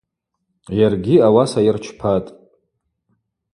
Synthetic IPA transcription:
jarɡʲiawasajɪrt͡ʃʰpʰatʼ

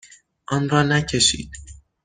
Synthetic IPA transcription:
ʔɒːnrɒːnæcʰe̞ʃḭːd̪̥

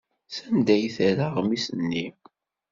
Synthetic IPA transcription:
sænd̪æjθɾaʁmisənːi

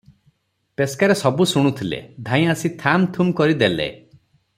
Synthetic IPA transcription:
peskaɾesɔbusuɽ̃ut̪ʰilḛd̪ʱãj̃asit̪ʰamt̪ʰumkɔɾid̪elḛ

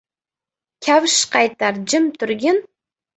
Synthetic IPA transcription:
kʲʰawʃqɑjt̪aɾd͡ʒɪmt̪ʰʊɾɡʲɪn

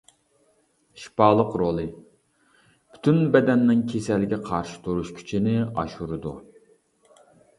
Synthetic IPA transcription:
ʃi̥pɑːlˠəqɾolˠɨ | bʰy̥t̪ʰynbɛd̪ɛnːɪŋkʲʰesɛlːɪɡʲɛqʰɑɾʃi̥t̪ʰuɾuʃkʲʰy̥t͡ʃʰinɪɑ̰ʃuɾɨd̪u

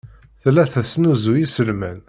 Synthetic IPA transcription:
θlːæθæsnuzujisəlmæn

